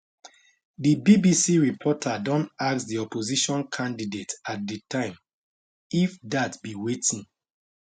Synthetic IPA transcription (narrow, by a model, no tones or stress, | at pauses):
dibibisiɹipʰɔtʰadɔ̃ntaksdiɔpoziʃɔ̃nkʰãndidetat̚dətʰãɪ̃m | ifdatbiwetĩŋ